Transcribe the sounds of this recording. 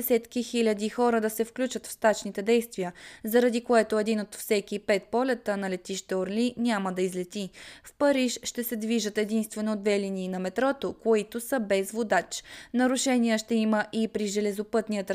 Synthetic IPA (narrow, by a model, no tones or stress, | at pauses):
ɛsɛt̪kixilʲəd̪ixɔɾəd̪ɐsɛfklʲut͡ʃət̪fst̪at͡ʃnit̪ɛd̪ɛjst̪vijəzɐɾɐd̪ikoɛt̪oɛd̪inot̪fsɛkipɛt̪̚pɔlʲɛt̪ənɐlɛt̪iʃt̪ɛoɾlinʲaməd̪ɐizlɛt̪ifpɐɾiʃʃt̪ɛsɛd̪viʒət̪ɛd̪inst̪vɛnod̪vɛliniːnɐmɛt̪ɾɔt̪okoit̪osəbɛzvod̪at͡ʃnɐɾʊʃɛnijəʃt̪ɛiməʔipɾiʒɛlɛzopɤt̪nijət̪